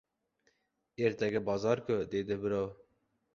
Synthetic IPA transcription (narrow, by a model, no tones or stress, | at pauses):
eɾt̪ɛɡɛbɑːzɑːɾkod̪eːd̪ɛbɨɾo